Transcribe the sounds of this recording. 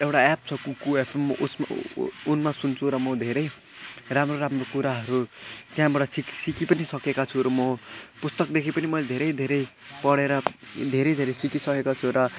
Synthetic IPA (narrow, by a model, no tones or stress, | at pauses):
ewʈaap̚t͡sʰʌkukuepʰemːʌʔṵsm̰unmasunt͡sʰuɾʌmʌd̪ʱeɾʌj | ramroɾamrokuɾaɦʌɾut̪jãbaʈʌsiksikipʌnisʌkekat͡sʰuɾʌmʌpust̪ʌkd̪ekʰipʌnimʌjled̪ʱeɾʌjd̪ʱeɾʌjpʌɽeɾʌd̪ʱeɾʌjd̪ʱeɾʌjsikisʌkekot͡sʰuɾʌ